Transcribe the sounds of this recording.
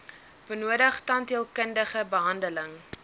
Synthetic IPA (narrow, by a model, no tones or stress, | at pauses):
b̥ənuədəχtɐntiəlˠkəndəχəbəɦɐndələŋ